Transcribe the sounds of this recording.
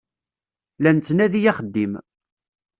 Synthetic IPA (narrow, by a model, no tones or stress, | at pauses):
lænt͡s̪ːnæðijæχəd̪ːim